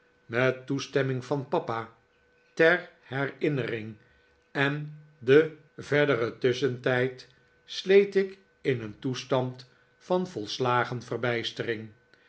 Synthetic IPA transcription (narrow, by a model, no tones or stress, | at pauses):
mɛtːustɛmɪŋvɑnpɑpa | tɛɹhɛrɪnərɪŋ | ɛn | də | vɛɹdərətʏsəntɛjt | slejtɪk | ɪnəntustɑnt | fɑnvɔlˠslaːχənvərbɛjstərɪŋ